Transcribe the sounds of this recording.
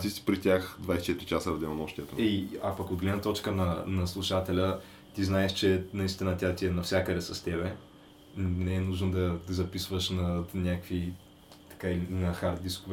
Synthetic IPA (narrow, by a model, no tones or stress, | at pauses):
t̪isi̥pɾit̪ʲjaxd̪vajsʲɛt͡ʃɛt̪ɾit͡ʃasəɐvd̪ɛlˠɐnɔʃt̪ʲiɛt̪oɛiapɐkod̪ɡlɛd̪nət̪ɔt͡ʃkənɐnɐslˠuʃat̪ɛlʲə | t̪iznaɛʃt͡ʃɛnɐist̪ʲinət̪ʲat̪iɛnɐfsʲakəd̪ɛsɐst̪ɛβɛ | nɛɛnuʒnod̪ɐd̪zɐpisvəʃnɐnʲakvi | t̪ɐ̥kailinɐxaɾt̪̚d̪iskʊv